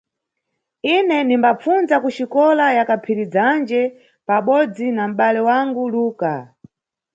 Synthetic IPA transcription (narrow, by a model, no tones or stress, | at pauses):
inɛnimbap͡funzakuʃikɔlajakapʰiɾid͡zand͡ʒɛ | paɓɔd͡zinam̩ɓalɛwaŋɡuluːka